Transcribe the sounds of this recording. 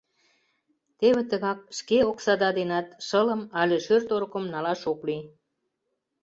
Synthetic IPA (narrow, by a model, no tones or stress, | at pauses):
t̪eβĕt̪əɣɑk̚ʃkeoksɑd̪ɑd̪enɑt̪ʃələ̆mɑlʲeʃørt̪oɾkə̆mnɑlɑʃokli